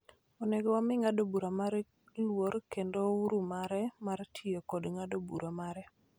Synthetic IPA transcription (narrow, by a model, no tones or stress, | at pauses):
ɔnɛɡɔwamɪŋadobuɾamaɾɛ | lwoɾkendouɾumaɾɛmartʰiekodŋadobṵɾamaɾɛ